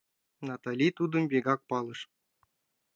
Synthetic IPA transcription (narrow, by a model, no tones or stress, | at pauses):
nɑt̪ɑlʲit̪ud̪ɤ̆mbʲeɡɑk̚pɑlˠɤ̆ʂ